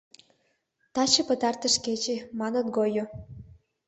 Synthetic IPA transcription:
t̪ɑt͡ɕĕpə̆t̪ɑrt̪ə̆ʃket͡ɕemɑnə̆t̪̚ɡojo

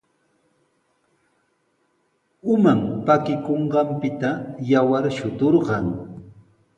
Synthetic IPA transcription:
ʊmampakɪkoɴɢɑmpɪt̪ajawaɾʃʊt̪oɾɢɑŋ

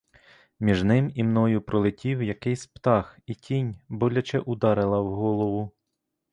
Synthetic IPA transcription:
mʲiʒnɪmimnɔjʊpɾɔlˠɪtʲiwjɐkɪjsʲpt̪ɑxitʲʰinʲbɔlʲɐt͡ʃɛʔʊd̪ɑɾɪlˠɐwɦɔlˠɔʋʊ

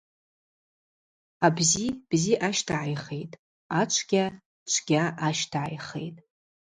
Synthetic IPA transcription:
abzib̥ziʔaʃtʰaʕajχejtʼ | at͡ʃʷʰɡʲa | t͡ʃʷʰɡ̥ʲaaʃtʰaʕa̰jχḛjtʼ

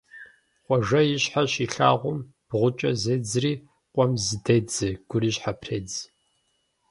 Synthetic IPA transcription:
χʷɔʒɐjɪɕħaɕiɬaːʁʷʊm | b̥ʁʷʊt͡ʃʼɐzed͡zriː | qʷʼɔmzɨded͡zɨɡ̥ʷʊɾiːɕħapʰreːd͡z

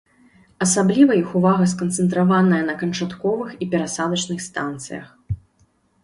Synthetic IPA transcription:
ɐsablʲivɐjixuvaɣɐskɐnt̪sɛnt̪ɾavanɐjɐnɐkɐnt͡ʂat̪kɔvɨxipʲɛɾasad̪ɐt͡ʂnɨxst̪ant̪sɨ̰jɐ̰x

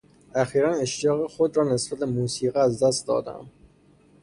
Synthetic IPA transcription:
æxiːɾæneʃt̪ijɒːɣexod̪ɾɒːnesbæt̪̚bemuːsiːɣiæzd̪æst̪̚d̪ɒ̰ːd̪æ̰m

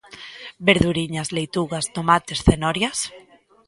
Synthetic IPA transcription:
beɾðuɾiɲazlejt̪uɣast̪omat̪esθenɔɾjas

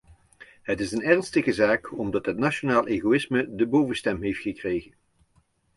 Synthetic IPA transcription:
ɦətɪsənɛrnstəɣəzaːkɔmdɑtɦətnaʃonaːlˠʔeːɣowɪsmədəbowvəstɛmɦejftχəkrejɣən

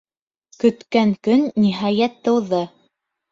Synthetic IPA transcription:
kɵ̆t̪kæŋkɵnːiɦɑjæt̪ːɤ̆wðɤ

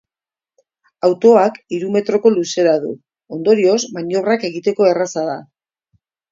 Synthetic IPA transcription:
awt̪o̞akiɾume̞t̪ɾo̞ko̞luse̞ɾaðṵ | o̞nd̪o̞ɾio̞zmaɲo̞βrake̞ɣ̞it̪e̞ko̞e̞rasaða

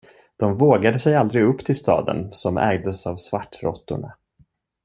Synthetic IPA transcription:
d̪̥ɔmvoːɡad̪əsɛjald̪ɾɪɡɵpːt̪ʰɪlst̪ɑ̰ːd̪ə̰nsɔmɛ̰ːɡd̪əsavsvaʈːɾɔt̪ːʊ̰ɳa

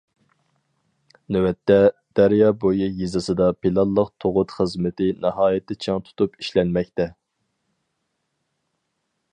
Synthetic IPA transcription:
newɛt̪ʰːɛd̪̥æɾjɑbojujizɨsɨd̪ɑpʰilˠɑlˠːəqt̪ʰoʁʊt̪χəzmɪt̪ʰɪnɑɦɑːjɪt̪ʰːɪt͡ʃʰɑŋt̪ʰu̥t̪upiʃlɛnmɛk̚ʲt̪ɛ

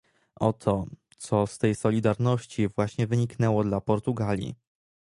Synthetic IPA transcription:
ʔɔt̪ʰɔt̪sɔst̪ɛjsɔlʲid̪aɾnɔɕt͡ɕivwaɕɲɛvɘɲiknɛwɔd̪lapɔɾt̪uɡalʲḭ

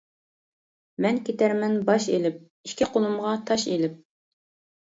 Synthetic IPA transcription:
mɛnkʲʰet̪æɾmɛnbɑʃḛlɪp̚ | iʃkʲiqʰolˠumʁɑt̪ʰɑʃelɪp̚

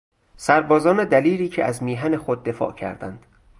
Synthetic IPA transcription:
sæɾbɒːzɒːned̪æliːɾiːcʰeæzmiːɦænexod̪̚ːe̞fɒ̰ːcʰæ̰ɾd̪æ̰nd̪̥

